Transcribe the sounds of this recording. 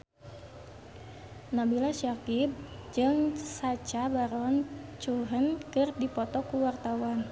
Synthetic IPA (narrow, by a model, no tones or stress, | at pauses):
nabilaʃakib̚d͡ʒɨŋsat͡ʃabaɾɔnt͡ʃuɦənkɨrdipɔt̪ɔkuwart̪awan